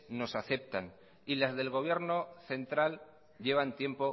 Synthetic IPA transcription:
no̞saθe̞p̚t̪an | ilazðe̞lɣ̞o̞β̞je̞ɾnoθe̞nt̪ɾal | ʎe̞β̞ant̪je̞mpo̞

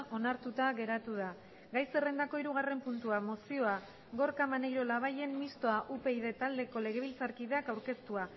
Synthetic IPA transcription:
ʔo̞naɾt̪ut̪aɣe̞ɾat̪uð̞a | ɡajse̞re̞nd̪ako̞iɾuɣare̞mpunt̪uamo̞sio̞a | ɣo̞ɾkamanejɾo̞laβ̞aje̞nmːist̪o̞aʔupe̞iðe̞t̪ald̪e̞ko̞le̞ɣ̞e̞β̞ilt͡saɾkiðeakawɾke̞st̪ua

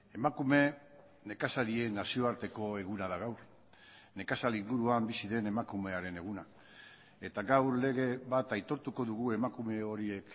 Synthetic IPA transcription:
e̞makume̞ | ne̞kasaɾie̞nasio̞aɾt̪e̞ko̞e̞ɣunaðaɣawɾ | ne̞kasaliŋɡuɾuambisiðe̞ne̞makume̞aɾe̞ne̞ɣ̞una | e̞t̪aɡawɾle̞ɣ̞e̞βat̪ajt̪o̞ɾt̪uko̞ðuɣue̞makume̞o̞ɾie̞k

